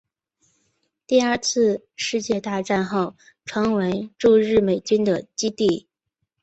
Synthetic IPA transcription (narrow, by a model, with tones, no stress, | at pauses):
t̪i˥˧ə˞˥˧t͡sʰɹ̩˥˧ | ʂɻ̩˥˧t͡ɕjɛ˥˧t̪a˥˧ʈ͡ʂa˥˧nxo˥˩ʊ | ʈ͡ʂʰwɤ˧˥ŋwe˧˥ɪʈ͡ʂu˥˧ɻɻ̩˥˩me˨˩ɪt͡ɕy˥nd̪ə˨˩t͡ɕi˥t̪i˥˩